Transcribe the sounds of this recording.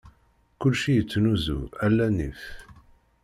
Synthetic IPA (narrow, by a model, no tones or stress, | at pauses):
kʊlʃijət͡sːnuzṵælːænif